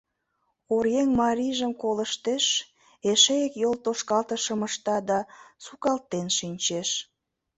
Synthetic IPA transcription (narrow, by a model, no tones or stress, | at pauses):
uɾjeŋmɑɾiʒəmkoləʃt̪eʃ | eʃeekjolt̪oʃkɑlt̪əʃəməʃt̪ɑd̪ɑsukɑlt̪ːenʃinʲt͡ɕeʃ